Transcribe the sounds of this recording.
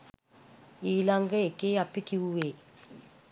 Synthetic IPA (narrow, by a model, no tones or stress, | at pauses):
ilaŋɡɛkʼejapikʼiuwe